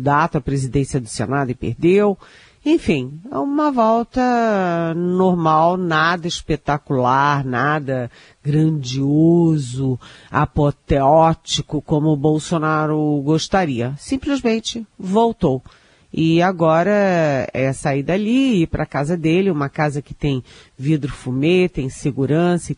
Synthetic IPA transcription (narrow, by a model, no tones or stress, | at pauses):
d̪at̪ʊɐpɾezid̪ẽsiɐd̪ʊsḛnad̪ʊɪpḛɾd̪ew | ẽj̃fĩj̃ɛ̰ũmɐvɔwt̪ɐ | noɾmawnad̪ɐiʃpet̪akulaɾnad̪ɐ | ɡɾɐ̃d͡ʒiozʊa̰pot̪eɔt͡ʃikʊkõmʊːbowsonaɾʊɡoʃt̪aɾiɐsĩplɪzmẽnt͡ʃɪvowt̪ow | ɪaɡɔɾɐɛsaid̪aliɪpɾʔɐkazɐd̪elɪũmɐkazɐkɪ̥t̪ẽj̃vid̪ɾʊfumet̪ẽj̃seɡuɾɐ̃sɐ